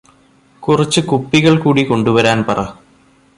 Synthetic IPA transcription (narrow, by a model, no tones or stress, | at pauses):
kurɐt͡ɕːɨkupːiɣɐɭkuːɽiko̞ɳɖuʋɐɾaːnpɐrɐ